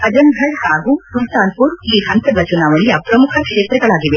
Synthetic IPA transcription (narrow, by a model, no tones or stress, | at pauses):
ɐd͡ʒɐnɡʱɐɽhaːɡusult̪aːnpuːɾiːɦɐnt̪ɐd̪ɐt͡ʃunaːʋɐɭijɐpɾɐmukʰɐkʂeːt̪ɾɐɡɐɭaːɡiʋe